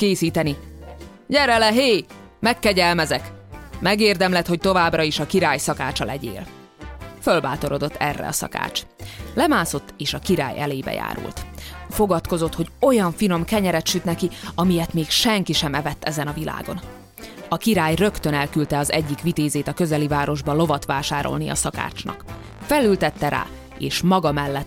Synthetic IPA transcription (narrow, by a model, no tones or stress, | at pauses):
keːsiːt̪ɛni | ɟɛɾɛlɛɦeːmɛkːɛɟɛlmɛzɛkmɛɡeːrd̪ɛmlɛt̪ho̞c̚t̪o̞vaːbrɒiʃɒkiɾaːjsɒkaːt͡ʃɒlɛɟḛːl | følbaːt̪o̞ɾo̞d̪ot̪ːɛ̰rːɛ̰ɒ̰sɒ̰ka̰ːt͡ʃ | lɛmaːso̞t̪ːeːʃɒkiɾa̰ːjɛ̰leːibɛ̰ja̰ːɾṵlt̪fo̞ɡɒt̪ko̞zo̞t̪ho̞ɟo̞jɒɱfino̞mkɛɲɛɾɛt̪ʃyt̪nɛkiɒmijɛt̪meːkʃɛŋkiʃɛmɛvɛt̪ːɛzɛnɒvila̰ːɡo̞n | ɒkiɾaːjrø̞kt̪ønɛlkylt̪ɛɒzɛɟːikʋit̪eːzeːt̪ɒkø̞zɛlivaːɾo̞ʒbɒlo̞vɒt̪ʋaːʃaːɾo̰lniɒ̰sɒka̰ːt͡ʃnɒ̰k | fɛlylt̪ɛt̪ːɛɾa̰ː | eːʃmɒɡɒmɛlːɛt̪ː